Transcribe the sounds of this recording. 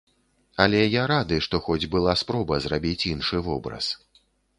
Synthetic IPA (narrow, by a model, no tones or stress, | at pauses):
ɐlʲɛjaɾad̪ɨʂt̪ɔxɔd͡zʲbɨlˠaspɾɔbɐzrabʲit͡sʲinʂɨvɔbɾɐ̰s